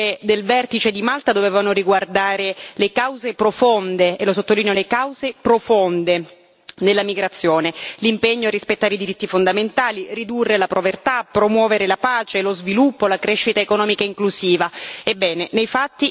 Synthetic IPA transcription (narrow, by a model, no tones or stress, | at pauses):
ed̪elvɛrt̪it͡ʃed̪imalt̪ad̪ovɛːvanoriɡward̪aːɾelekawzepɾofond̪eelosot̪ːoliːnjolekawzepɾofond̪e | d̪elːamiɡɾat̪sːjoːnelimpeɲːoarːispet̪ːaɾeid̪iɾit̪ːifond̪ament̪aːlirid̪urːelapɾovert̪apːɾomwɔːveɾelapaːt͡ʃelozvilupːolakɾeʃːit̪aekonɔːmikaiŋkluziːvaebːɛːnenejfat̪ːi